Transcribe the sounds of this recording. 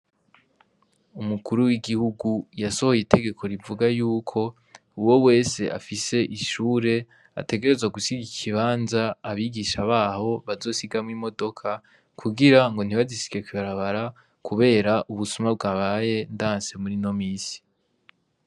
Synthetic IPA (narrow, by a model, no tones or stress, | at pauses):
umukuɾuwiɡihuɡujaso̞ho̞jite̞ɡe̞kʰo̞ɾivuɡajuːkʰo̞ | uwo̞we̞ːse̞ʔa̰fise̞ʔiʃuːɾe̞ | a̰te̞ɡe̞ɾe̞zwaɡusiɡiikʰiβaːnzaːβiɡiʃaβaːho̞βazo̞ːsiɡamŋimo̞do̞kʰa | kʰuɡiɾaŋɡo̞n̥iβazisi̥ɡe̞kwiβaɾaβaɾa | kʰuβe̞ːɾaʔuβusumab̚ɡaːβaje̞ndaːnse̞muɾino̞miːsi̥